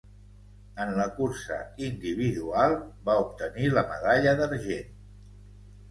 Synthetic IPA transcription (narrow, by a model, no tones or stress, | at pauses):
ənləkuɾsə̰ind̪iβ̞iðualˠbaup̚t̪əniləməðaʎəðəɾʒen